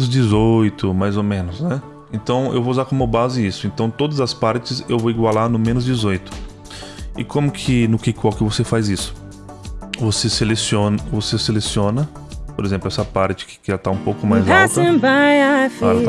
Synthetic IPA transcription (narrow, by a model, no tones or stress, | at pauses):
ʊzd͡ʒɪzojt̪ʊmajzomẽnʊsnɛ | ẽnt̪ɐ̃w̃ḛwvouzaɾkõmʊbazɪisʊẽnt̪ɐ̃w̃t̪od̪ɐzɐspaɾt͡ʃɪsewvowiɡwalaɾnʊmẽnʊzd͡ʒizojt̪ʊ̥ | ɪkõmʊkʰɪnʊkɪkwawkɪvosefajzisʊ̥ | voseselesiõnɐvoseselesiõnɐ | poɾezẽmplʊɛsɐpaɾt͡ʃɪ̥kɪ̥kɪʒat̪aũpowkʊmajzat̪ɐbajafaɛlt̪